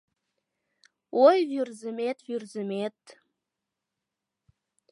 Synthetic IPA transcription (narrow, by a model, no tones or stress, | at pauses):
ojvyrzəmet̪vyrzəmet̪̚